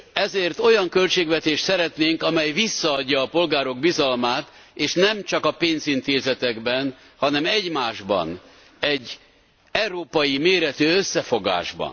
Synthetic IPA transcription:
ɛzeːrt̪o̞jɒŋkø̞lt͡ʃeːɡvɛt̪eːʃt̪sɛɾɛt̪neːŋkɒmɛjvisːɒːɟːɒːpo̞lɡaːɾo̞ɡ̚bizɒlmaːt̪eːʃnɛmt͡ʃɒkɒpeːnzint̪eːzɛt̪ɛɡbɛn | hɒnɛmɛɟmaːʒbɒ̰n | ɛɟː | ɛwɾoːpɒjimeːɾɛt̪øːøsːɛfo̞ɡa̰ːʒbɒ̰n

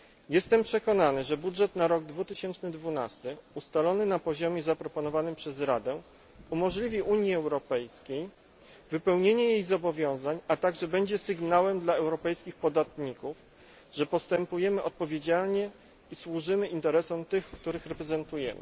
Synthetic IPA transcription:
jɛst̪ɛmpʂɛkɔnanɘʐɛbudʐɛt̪naɾɔɡ̚d̪vut̪ɘɕɛnt͡ʂnɘd̪vuna̰st̪ɘust̪alɔnɘnapɔʑɔmʲɛzapɾɔpɔnɔvanɘmpʂɛzɾad̪ɛ | umɔʐlʲivʲiʔuɲjiɛwɾɔpɛjskʲej | vɘpɛwɲeɲɛjejzɔbɔvʲjɔ̃w̃zaɲat̪aɡʐɛbɛɲd͡ʑɛsɘɡnawɛmd̪laɛwɾɔpɛjskʲixpɔd̪at̪ɲikuf | ʐɛpɔst̪ɛmpujɛmɘʔɔt̪̚pɔvʲjed͡ʑalɲɛ | iswuʐɘmɘint̪ɛɾɛsɔ̃t̪ɘxkt̪uɾɘxɾɛpɾɛzɛnt̪ujɛ̰mɘ̰

